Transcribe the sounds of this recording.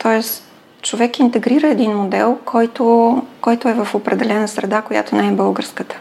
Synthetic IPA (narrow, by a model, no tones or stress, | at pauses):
t̪ʰɔɛs | t͡ʃovɛkint̪ɛɡɾiɾəɛd̪inmod̪ɛlˠkʰɔjt̪okɔjt̪oɛvəfopɾɛd̪ɛlɛnəsɾɛd̪akoja̰t̪onɛɛbɤlˠɡəɾskət̪ə̥